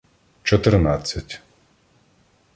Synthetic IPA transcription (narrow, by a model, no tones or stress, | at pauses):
t͡ʃɔt̪ɛrnat͡sʲːatʲ